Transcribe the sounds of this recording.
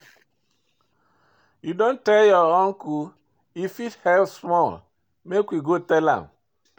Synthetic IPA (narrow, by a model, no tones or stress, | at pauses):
judõntɛljɔɔŋku | ifithɛlsmɔl | mekwiɡotɛlã̰m